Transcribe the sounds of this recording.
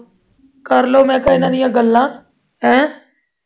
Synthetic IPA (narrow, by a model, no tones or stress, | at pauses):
kəɾloːmɛ̃ːkəiːnãːnɪ̃jãːɡəlːãː | ɛ̃ː